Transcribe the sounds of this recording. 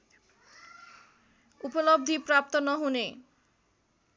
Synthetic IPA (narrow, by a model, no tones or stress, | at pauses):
upɔlʌb̚d̪ʱiprap̚t̪ɔnʌɦune